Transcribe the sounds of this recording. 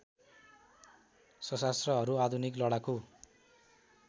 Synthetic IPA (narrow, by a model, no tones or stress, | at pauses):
sʌsast̪rʌɦʌɾuad̪ʱuniklʌɽako